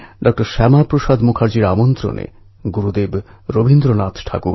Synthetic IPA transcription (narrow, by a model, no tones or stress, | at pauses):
ɖɔk̚ʈoɾʃɛmapɾoʃad̪mukʰaɾd͡ʑiɾamont̪ɾo̰nʔḛ | ɡuɾud̪eb | ɾobʱind̪ɾonat̪ʰʈʰa̰kuɾ